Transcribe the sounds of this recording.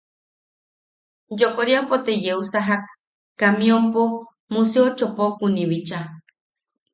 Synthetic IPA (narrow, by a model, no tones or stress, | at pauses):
jokoɾjampot̪ejeusaɦakː | amiompo | museot͡ʃopokuniβit͡ʃa